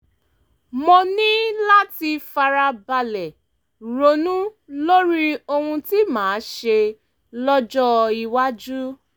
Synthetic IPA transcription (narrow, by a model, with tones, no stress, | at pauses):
mɔ̃˧nĩ˦la˦ti˧fa˧ɾa˧ba˧lɛ˨ | ɾo˨˦nũ˦lo˦ɾi˦o˧hũ˧ti˦mãː˨˦ʃe˧ | lɔ˦d͡ʒɔ˦i˧wa˦d͡ʒu˦